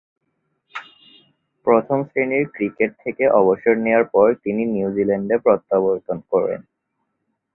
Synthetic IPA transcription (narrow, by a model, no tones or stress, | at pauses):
pɾot̪ʰomsɾeniɾkɾikeʈ̚t̪ʰːekeʔɔboʃoɾnewaɾpɔɾt̪ininiud͡ʑilɛɳɖepɾɔt̪ːaboɾt̪onkɔɾḛn